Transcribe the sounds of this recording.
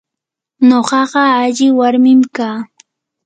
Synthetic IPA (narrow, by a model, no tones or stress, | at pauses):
ɲoɢɑɢɑaʎɪwaɾmɪmkaː